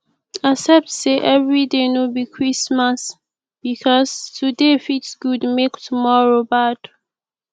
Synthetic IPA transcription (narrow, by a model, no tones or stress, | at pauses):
asɛp̚tseʔɛvɹidenobikʰɹismas | b̥ikʰɔstʰudefitsɡ̥udmektʰumɔɹobad̥